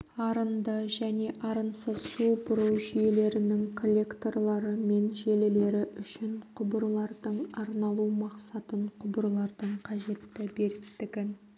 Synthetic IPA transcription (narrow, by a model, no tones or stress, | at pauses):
ɑɾənd̪əʒæne̞ʔɑɾənsəsubʊɾəwʒʏje̞le̞ɾɪnɪŋkʰo̞lʲːe̞kt̪o̞rlˠɑɾəme̞nʒe̞lɪle̞ɾɪʔʏʃɪɴqʰʊbəɾlˠɑɾd̪əɴɑɾnɑlˠumɑqsɑt̪əɴqʰʊbəɾlˠɑɾd̪əɴqʰɑʒe̞t̪ːɪbe̞ɾɪt̪ːɪɡʲɪn